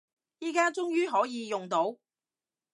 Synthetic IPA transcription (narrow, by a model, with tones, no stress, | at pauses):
jiː˨˧kaː˥t͡sʊ˥ŋjyː˥ɦɔː˨˥jiː˨˧jʊ˨ŋt̪o˨˥w